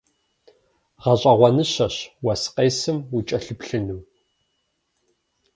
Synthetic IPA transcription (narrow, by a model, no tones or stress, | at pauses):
ʁɐɕʼɐʁʷɔnɨɕɐɕwɐsqʼeːsɨmit͡ʃʼɐɬɨpɬɨnɨw